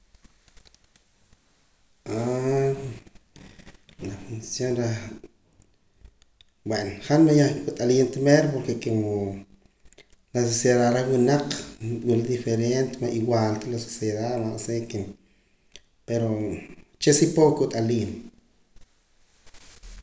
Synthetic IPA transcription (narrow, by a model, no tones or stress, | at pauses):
a | lafunsjonɾa | bwenoχanmajaχkut̪ʼaliːnt̪meɾpoɾkekemo | las̬osjeðaɾawinaq͡χwild̪ifeɾent̪emaʔiwalt̪alasosjeðamaʔseken | peɾot͡ʃesipowkut̪ʼaliːn